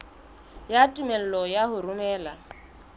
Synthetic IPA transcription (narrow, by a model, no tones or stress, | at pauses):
jatʼumɛl̩lɔjaɦʊɾumɛːla